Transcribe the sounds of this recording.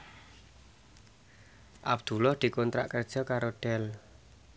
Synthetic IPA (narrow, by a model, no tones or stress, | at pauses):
ʔab̚d̪̥ulɔhd̪̥i̤kɔnt̪ɾa̰ʔkərd̥ʒ̥ɔ̤kaɾoɖ̥ɛl